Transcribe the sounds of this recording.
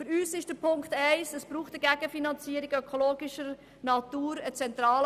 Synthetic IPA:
fyɾyːsɪʃd̥əɾpʰʊŋktɛɪsəsb̥ɾuːχtəɡæɡəfinɑnt͡siːəɾiɡœkʰoloːɡɪʃəɾ | nɑtuːɾət͡sɛnt̪ɾɑːl

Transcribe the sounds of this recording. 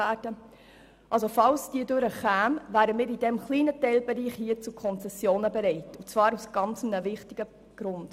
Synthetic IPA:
æːd̥ə | ʔɑlsofɑlsd̥iːədʉɾəχæːmvæːɾəmɪːɾidɛmχliːnətɛɪlbɛɾiːχhiːət͡sukʰɔnt͡sɛsjoːnəbɛɾɛɪtut͡svɑːɾusɡ̥ɑnt͡səmnəvɪχtɪɡ̥ə | ɡ̥ɾʊnd̥

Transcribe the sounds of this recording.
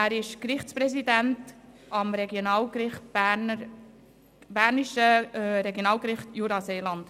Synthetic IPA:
æːɾɪʃkɾɪχt͡spɾɛsidænt | ʔɑmɾɛɡjonɑːlɡɾɪχt̚b̥ænə | bæːɾniʃəɾɛɡjonɑːlkɾɪχtjuɾɑseːlɑnd̥

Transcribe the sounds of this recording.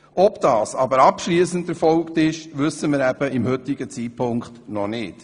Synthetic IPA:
ʔɔpd̥ɑːsɑbəɾɑpʃliəsəndɛɾfɔlktɪʃʋʏsəmɪɾæb̥əɪmhʏtɪɡ̥ət͡siːpʰʊŋkχtnɔnɪːt

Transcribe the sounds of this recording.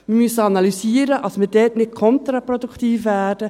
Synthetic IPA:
mɪmysəɑnɑlysiːəɾəʔɑsmɪɾdɛːtnɪtkʰɔnt̪ɾɑpɾɔd̪uktiːfʋæːd̥ə

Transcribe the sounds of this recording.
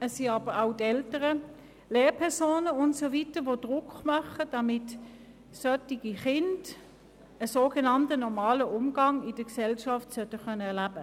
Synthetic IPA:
əsːiɑːb̥əʁaʊtɛltəʁə | leːʁpʰɛɐsoːnəʊntsovitəʋod̥ʁʊkχmœχəd̥ɑmɪt | sœtiɡ̥iχɪnd | əsoːɡenɑntənɔmɑːləʔʊmɡ̥ɑŋɪd̥əksɛlʃɑftsœtːəχœnəɛɐlæb̥ə

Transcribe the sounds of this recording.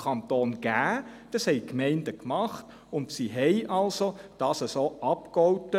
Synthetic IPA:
ɑntoːnɡ̥æːd̥ɑshɛɪkmɛɪndəkmɑχt | ʊndsiɦɛɪʔɑlsod̥ɑːsəsoːʔɑpkɔwtə

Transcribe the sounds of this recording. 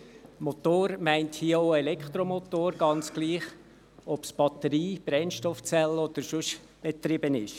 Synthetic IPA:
mot̪oːɾmæɪnthiːəoʊelɛkχt̪ɾomot̪oːɾɡɑnt͡sɡ̥liːχ | ɔpsb̥ɑt̪əɾiːb̥ɾɛnʃtɔft͡sɛlːɔd̪̥əɾʃʊʃ | b̥et̪ɾɪbənɪʃ

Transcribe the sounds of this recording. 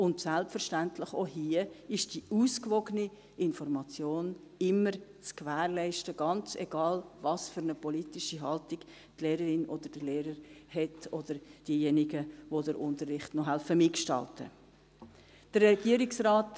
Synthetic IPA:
ʊntsælpfəɾʃtæntləχoɦiəɪʃd̥iuːskvɔɡəni | ɪnfɔɾmɑt͡sjoːn | ɪməɾt͡skvæːɾlɛɪʃtəɡ̥ɑnt͡sɛ̰ɡ̥ɑːlvɑsfʏɾnəpɔlitɪʃiɦɑltɪɡ̥ | tleːɾəɾɪnod̥əɾd̥əleːɾəɾhɛtod̥əɾd̥iːjɛniɡəvodəɾʔʊntərːɪχtnɔɦælfəmɪkʃtɑ̰ltʰə̰ | d̥əɾɛɡ̥iəɾɪksɾaːt

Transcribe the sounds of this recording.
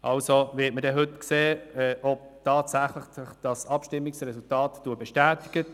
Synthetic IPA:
ʔɑlsovɪːtmədɛɦʏtkseːɛʔɔb̚tʰɑːtsæχlɪχɪχd̥ɑsɑpʃtɪmːɪksrɛsultɑːtːuəbɛʃtæːtɪɡ̥ə

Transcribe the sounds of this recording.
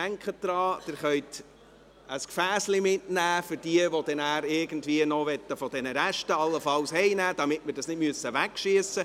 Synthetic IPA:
æŋkχət̚d̥̪ɾɑːd̥ɪɾχœʏt̪ | əskfæːslimɪtnæːfʏɾd̥iəʋod̥ɛnæːɾɪɡən̩dviənɔʋɛtːəfɔd̥ɛnəɾæʃtəɑlːəfɑlshɛɪnæːd̥ɑmɪtmɪɾdɑsnɪdmyəsəʋækʃiəsə

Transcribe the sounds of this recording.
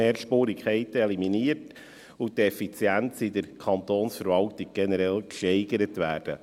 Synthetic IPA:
eːɾʃpuːɾikʰχɛɪtəɛliminiːərt | ʊtɛfit͡sjænt͡sidəɾkʰɑnt̪oːnsfəɾvɑltiɡ̥̚ɡ̥ɛnəɾɛlkʃɛɪɡəɾətʋæːrd̥ə̰

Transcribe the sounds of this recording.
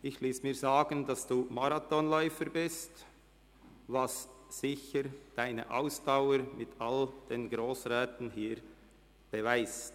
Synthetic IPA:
ʔɪçliːsmiːzaːɡəndɑsd̥uːmaɾatɔnlɔʏfəɾbɪst | vɑssɪçəɾd̥aɪnə̰ʔa̰ʊsd̥aʊəɾmɪtʰald̥eːnɡɾoːsʁɛːtən̩ɦiːɾ | b̥əvaɪst

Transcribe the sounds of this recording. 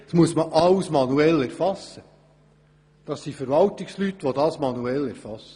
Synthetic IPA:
smuəsməʔɑwsmɑnuɛlɛɾfɑsːə | d̥ɑsːifəɾʋɑlt̪ɪkslyt̪ːʋodɑːsmɑnuɛlæɾfɑsə

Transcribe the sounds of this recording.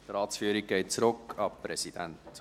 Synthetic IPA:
tɾɑːtsfyːəɾik̚ɡɛɪt̚t͡sɾʊkɑpɾɛsid̥æ̰nt

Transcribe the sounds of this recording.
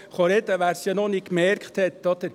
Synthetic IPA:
χɔɾɛd̪əʋæːɾsjɑnɔnikːmɛɾkχt̪hɛt̪ːɔd̪əɾ

